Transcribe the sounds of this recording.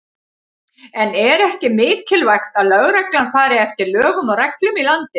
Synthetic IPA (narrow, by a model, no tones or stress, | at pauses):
ɛnɛɾɛhcɪmɪːðt̪ʰɪlvajxt̪aðlœɣɾɛklankfaːɾɪɛft̪ɪɾlœːɣʏmɔrɛklʏmilant̪ɪ